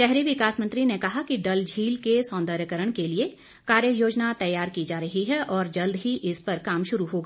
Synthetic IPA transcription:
ʃɛɦɾiʋɪkaːsmɐ̃nt̪ɾinekɐɦakiɖɐld͡ʒʱiːlkesɔ̃ːnd̪əɾjəkəɾəɽ̃kelie | kaːɾjəjoːd͡ʒnat̪ɐjːaːɾkid͡ʒaːɾɐɦiɦɛʔɔːɾd͡ʒɐld̪ɦiʔɪspɐɾkaːmʃʊɾuɦoːɡaː

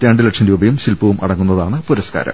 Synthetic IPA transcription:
t̪jaːɳɖɨlɐʈʂɐnɾuːbɐjumɕilpːɐʋumʔɐ̰ɽɐŋːunːɐðaːɳɨpuɾɐska̰ːɾɐ̰m

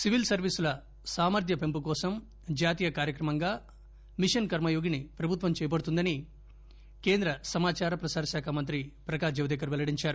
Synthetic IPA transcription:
siʋilsɐɾʋisulɐ | saːmɐɾd̪ʱjɐpempukɔːsɐm | d͡ʒaːt̪iːjɐkaːɾjɐkɾɐmɐŋɡaː | miʂɐnkɐɾmɐjoːɡinipɾɐbʱut̪ʋɐmt͡ʃɛːjɐp̬ɐɽut̪und̪ɐni | keːnd̪ɾɐsɐmaːt͡ʃaːɾɐpɾɐsaːɾɐʃaːkʰamɐnt̪ɾipɾɐkaːd͡ʒɐʋd̪ekɐɾʋɛlɐɽiɲt͡ʃaːɾu

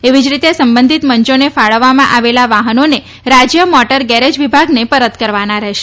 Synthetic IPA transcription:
eʋid͡ʒɾit̪esəmbənd̪ʱit̪məɲt͡ʃonefaɭəʋːamãʔaʋelaʋaɦənone | ɾad͡ʒjəmɔʈəɾɡɛɾed͡ʒʋibʱaɡnepəɾət̪kəɾʋanaɾɛɦʃe̥

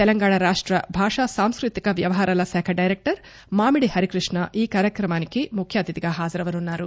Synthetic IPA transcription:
t̪ɛlɐŋɡaːɳaɾaːʂʈɾɐbʱaːʂasaːmskɾut̪ikɐʋjɐʋɐɦaːɾaːlɐsɛːkʰɐɖɐjɾek̚ʈɐɾ | maːmiɽihɐɾikɾiʂɳɐʔiːkaːɾjɐkɾɐmaːnikimukʰjaːd̪it̪iɡaːɦaːd͡ʒɐɾɐʋɐnunːaːɾu

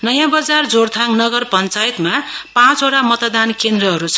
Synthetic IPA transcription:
nʌjãbʌd͡zard͡zoɾt̪ʰãŋnʌɡʌrpʌnt͡sajt̪mapãt͡soʈamʌt̪d̪ankend̪rʌɦʌɾut͡sʰʌ̥

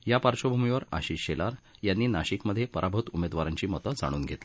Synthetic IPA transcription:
japaɾt͡ɕobʱumiʋəɾa̰ɕiːɕelaɾjanːiːnaɕikməd̪ʱːjepəɾʔabʱət̪umed̪ʋaɾaɲt͡ɕiːmɔt̪əd͡za̰ɽ̃uːnɡʱet̪li̥

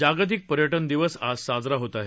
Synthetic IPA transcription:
aɡt̪̬ik̚pəɾjəʈənd̪iʋəsasad͡zɾaɦot̪aɦe

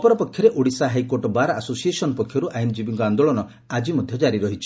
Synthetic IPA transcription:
ɔpɔɾɔpɔkʰjɔɾeʔoɽisaɦajkoɾʈɔbaɾaasosiesɔnɔpɔkʰːjɔɾuʔajnd͡ʒibiŋkɔand̪oɭɔnɔ | ad͡ʒimɔd̪ʱjɔd͡ʒaɾiɾɔɦit͡ʃʰi̥

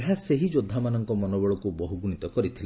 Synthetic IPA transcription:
ɦaseɦid͡ʒod̪ʱːamanɔŋkɔmɔnɔbɔɭɔkubɔɦuɡuɽ̃it̪ɔkɔɾit̪ʰil

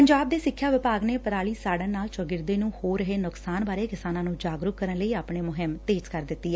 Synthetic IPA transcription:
pəɲd͡ʒaːb̚d̪eːsɪkʰːjaːʋɪpaːɡneːpəɾaːɭiːsaːɽənaːlt͡ʃoɡɪɾd̪eːnũːhoːɾəɦeːnʊksaːnbaːɾeːkɪsaːnãːnũːd͡ʒaːɡɾʊkkəɾənləiːaːpɳeːmʊɦɪmt̪eːd͡ʒkəɾd̪ɪt̪ːiːɛ

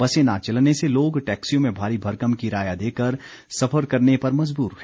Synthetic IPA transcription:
ɐsenat͡ʃɐlneseloːɡʈɛːksijõmẽbʱaːɾibʱɐɾkəmkiɾaːjad̪eːkəɾ | sɐfʰəɾkɐɾnepɐɾmɐd͡ʒbuːɾ

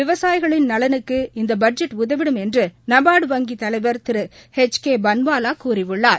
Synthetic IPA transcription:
ʋɪʋɐsaːjɣɐɭɪnnɐlɐnɯkːɯɪnd̪ɐbɐɖ̚d͡ʒɛʈːʊðɐʋɪɽɯmɛndrɯnɐbaːɽɯʋɐŋɡit̪ɐlɐɪʋɐɾt̪ɪɾɯhɛt͡ʃkeːbɐnbaːlaːkuːriʋɯɭːaːɾ

